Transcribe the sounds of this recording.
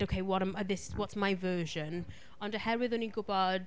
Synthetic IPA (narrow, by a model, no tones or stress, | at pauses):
oʊkʰeɪwɔɾãmðɪswɒtsmaɪvɜːʒə̃n | ʌ̃ndəhɛɹɪðʊniɡʊbad